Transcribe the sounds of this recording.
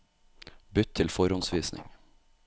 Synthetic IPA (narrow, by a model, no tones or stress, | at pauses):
bʏt̪ʰɪlfɔɾɔnsʋiːsnʔɪ̰ŋ